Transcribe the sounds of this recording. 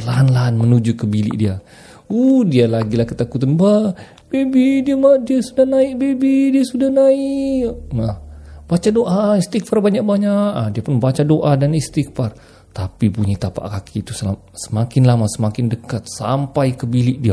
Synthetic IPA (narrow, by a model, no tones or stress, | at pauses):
lanlaːnmənud͡ʒukəbilɪ̰ʔ̚dia | ohdialaɡilahkət̪akut̪anba | b̥ebidiamadiasudahnaɪʔbebidiasudahnaiʔʔmahb̥at͡ʃadoʔaist̪ikfarbaɲak̚baɲaʔadiapʊnbat͡ʃadoʔadanist̪ikfar | t̪apipuɲat̪apa̰ʔkakʰit̪usəla | sə̥makɪnlamasəmakɪndəkat̪̚sa̰mpajkəbilɪʔ̚dia